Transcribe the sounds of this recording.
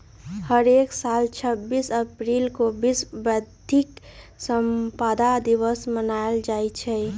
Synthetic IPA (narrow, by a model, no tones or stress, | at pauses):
həɾeksalt͡ʃʰəbːisəpɾilkobisbəd̪ʱiksəmpad̪ad̪iʋəsmənaeld͡ʒaet͡ʃʰɛ